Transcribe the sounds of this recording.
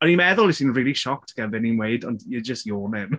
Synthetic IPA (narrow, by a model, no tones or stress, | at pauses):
ɔnimɛðʊlˠisiːnriːlˠiʃɔk̚tʰɡ̥ɛnvɛninweɨdɔndjəd͡ʒəstjoːnɛm